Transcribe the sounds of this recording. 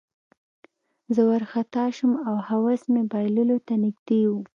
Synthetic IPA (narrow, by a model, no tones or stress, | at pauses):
zəwaɾxat̪ɑʃumawhawasmebɑjlulot̪anɪɡd̪ewu